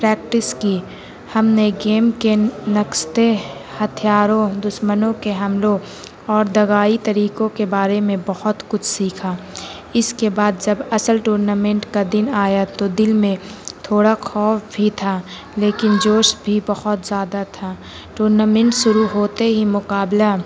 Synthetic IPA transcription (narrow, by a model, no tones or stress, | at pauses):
pɾɛːk̚ʈɪski | hɐmneɡeːmkenɐkst̪ehɐt̪ʰijaːɾõd̪ʊʃmənõkeɦɐmlõ | ɔːɾd̪ɐɣaːit̪ɐɾiːkõkebaːɾemẽbɐhʊt̪kʊt͡ʃʰsiːkʰaː | ɪskebaːd̪̚d͡ʒɐbɐsəlʈuːɾnaːmɛ̃ɳʈkad̪ɪnaːjat̪od̪ɪlmẽt̪ʰoːɽaxɔːfbʱit̪ʰa | leːkɪnd͡ʒoːʃbʱibɐhʊt̪zjaːd̪at̪ʰa | ʈuːɾnaːmɛ̃ɳʈʃʊɾuɦoːt̪eɦimʊkaːbla